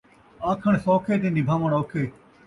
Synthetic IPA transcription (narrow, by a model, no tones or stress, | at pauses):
aːkʰəɳ̃sõːkʰeːt̪ĩnd̪iːbʱaːməɳoːkʰeː